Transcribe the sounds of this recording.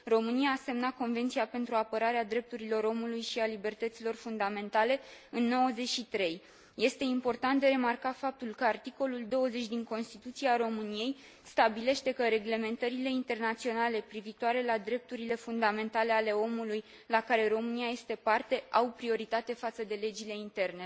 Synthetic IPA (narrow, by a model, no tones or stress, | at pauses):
ro̞mɨnijaːse̞mnat̪̚ko̞nve̞nt̪sijape̞nt̪ɾuapəɾaɾead̪ɾe̞p̚t̪uɾilo̞ɾo̞mulujʃialibe̞rt̪ət̪silo̞rfund̪ame̞nt̪ale̞ɨnːo̞wəze̞t͡ʃʲʃit̪ɾe̞j | je̞st̪e̞impo̞rt̪ant̪̚d̪eɾe̞markafap̚t̪ulkəart̪iko̞luld̪o̞wəze̞t͡ʃʲd̪iŋko̞nst̪it̪ut̪siaɾo̞mɨnije̞j | st̪abile̞ʃt̪e̞kəɾe̞ɡle̞me̞nt̪əɾile̞int̪e̞rnat̪sio̞nale̞pɾivit̪oaɾe̞lad̪ɾe̞p̚t̪uɾile̞fund̪ame̞nt̪ale̞ale̞o̞muluj | lakaɾe̞ɾo̞mɨniaje̞st̪e̞part̪e̞ʔawpɾio̞ɾit̪at̪e̞fat̪səd̪e̞le̞d͡ʒile̞int̪e̞rne̞